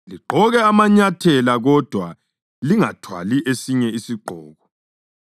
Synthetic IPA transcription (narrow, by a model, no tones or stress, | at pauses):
liǃʱɔɣɛamaɲatʰɛlaɣɔd̥ʱwa | liŋatʰwa̰liʔesiɲɛisiɡ͡ǃʱɔːɣɔ